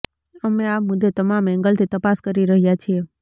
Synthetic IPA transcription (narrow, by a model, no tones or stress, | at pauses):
əmẽamʊd̪ʱːet̪əmamɛ̃ŋɡəlt̪ʰit̪əpaskəɾiɾəɦjat͡ʃʰie